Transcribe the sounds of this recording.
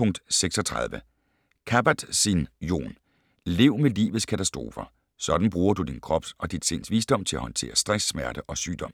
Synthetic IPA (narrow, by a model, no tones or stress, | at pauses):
ɔ̽ŋ̰d̥seɡ̥sɒ̽t͡sʰʁaðˠʋə | kʰæb̥æd̥sinjo̝̰ːn | le̝ʊ̰melḭːʋð̩ˠskʰæt͡sʰæsd̥ʁo̝̰ːfɐ | sɒ̽d̥n̩b̥ʁuːɐd̥ud̥inkʰʁɒ̽b̥sɒ̽d̥id̥se̝n̰sʋiːsd̥ɒ̽m̰t͡sʰe̝læhɒ̽nt͡sʰe̝̰ːɐsd̥ʁasːmæɐd̥əʔɒ̽sy̰ːd̥ɒ̽m̰